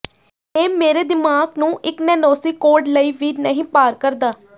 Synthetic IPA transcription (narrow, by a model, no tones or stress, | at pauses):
eːmeːɾeːd̪ɪmaːɡnũːʔɪknɛːnoːsiːkoːɾɖləiːʋiːnəɦĩːpaːɾkəɾd̪aː